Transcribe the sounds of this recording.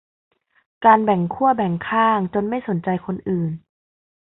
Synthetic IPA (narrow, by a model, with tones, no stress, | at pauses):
kaː˧nbɛ˨˩ŋkʰu˥˩ɐbɛ˨˩ŋkʰaː˥˩ŋt͡ɕo˧nma˥˩jso˩˦nt͡ɕa˧jkʰo˧nʔɯː˨˩n